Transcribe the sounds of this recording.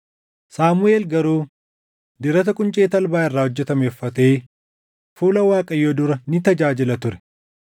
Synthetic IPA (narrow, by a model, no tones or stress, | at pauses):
saːmʊeːlɡɐɾuː | d̪ɪɾɐt̪̬ɐkʼʊnt͡ʃʼeːt̪ɐlbaːɪrːaːhɔd͡ʒːɛt̪ɐmeːfːɐt̪eː | fuːlɐwaːkʼɐjːoːd̪ʊɾɐnɪt̪ɐd͡ʒaːd͡ʒɪlɐt̪ʊɾɛ̥